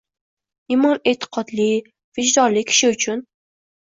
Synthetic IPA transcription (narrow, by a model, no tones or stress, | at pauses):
ɪmɒnet̪ʰɪ̥qʰɒd̪lɪ | vɪd͡ʒd̪ɒɾlɪkʲʰɪ̥ʃɪʊt͡ʃʰʊn